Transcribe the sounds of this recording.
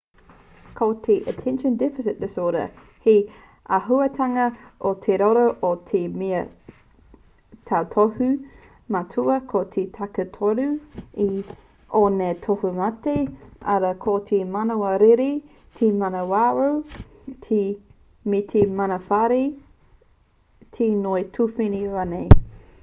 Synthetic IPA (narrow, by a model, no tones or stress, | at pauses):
kʰotʰeʔətʰɛ̃nʃə̃ndɪfɪsɪt̚d̥ɪsoːdə̰ | he | ɐɦuɐtʰaŋɐʔotʰeɾoɾoʔotʰemeɐ | tʰaːtʰohu | matʰuɐkʰotʰetʰakətʰoɾui | onetʰohumatea̰ɾɐkʰot̪ʰemanowɐɾeɾi | tʰemɐnɐwaʔow | tʰi | mitʰemɐnɐfaɾi | tʰenoetʰufiniɾanej